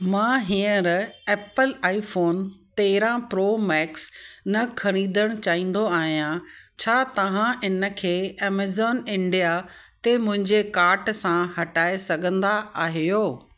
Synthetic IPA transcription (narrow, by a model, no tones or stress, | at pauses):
mãːɦĩːə̃ɾɛːpəlaːifoːnt̪eːɦɪɾãpɾoːmɛːksnɐkʰɐɽ̃ĩːnd̪əɽ̃t͡ɕaːĩːn̆d̪oaːɦijãt͡ɕʰaːt̪ɐʋ̤ãʔɪnə̆kʰeːɛːmeːzɔːnɪ̃ɳɖijat̪emʊ̃ɦɪ̃ɲd͡ʑekaːɾʈsãhɐʈaːesɐɡʱə̃nd̪aaːɦijoː